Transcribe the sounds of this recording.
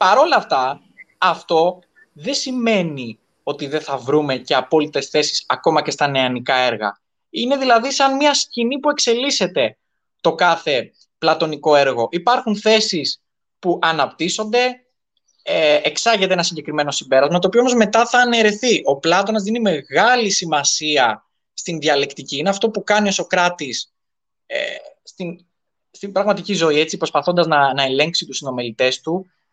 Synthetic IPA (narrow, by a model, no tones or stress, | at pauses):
pɐɾo̞lɐft̪ɐː | ft̪o̞ | ðe̞sime̞ni | o̞t̪iðe̞θɐvɾume̞ce̞ɐpo̞lit̪e̞sθe̞si̥sɐko̞mɐce̞st̪ɐne̞ɐnikɐe̞ɾɣɐ̰ | ine̞ðilɐðisɐnmɐscinipue̞kse̞lise̞t̪e̞ | t̪o̞kɐθe̞ | plɐt̪o̞niko̞e̞ɾɣo̞ʔipɐɾxunθe̞sis | puʔɐnɐpt̪iso̞nd̪e̞ | eeksɐʝe̞t̪eenɐsiɲɟe̞kɾime̞no̞simbe̞ɾɐzmɐt̪oːpioemozme̞t̪ɐθɐːne̞ɾe̞θiʔo̞plɐt̪o̞nɐzðinime̞ɣɐlisimɐsiɐ | st̪inðiɐle̞kt̪iciineɐft̪o̞pukɐnio̞sokɾɐt̪is | ḛst̪in | st̪imbɾɐɣmɐt̪icizo̞ie̞t͡sipɾo̞spɐθo̞nd̪ɐznɐnɐe̞le̞ŋksit̪usino̞milit̪e̞st̪u